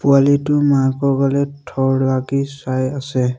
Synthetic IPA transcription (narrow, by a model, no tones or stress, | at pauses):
pʊalitʊmakɔɡalɛtʰɔɹlaɡisajasɛ